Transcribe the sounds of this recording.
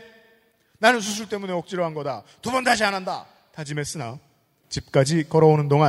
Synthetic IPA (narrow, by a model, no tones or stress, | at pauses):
nanɯns̬ʰusʰuɭt͈e̞muneʌk̚t͡ɕ͈iɾʌɦanɡʌdatobʌntaɕ̬ʰiananda̰ | tad͡ʑime̞s͈ɯna | t͡ɕip̚k͈ad͡ʑikʌɾʌonɯndoŋan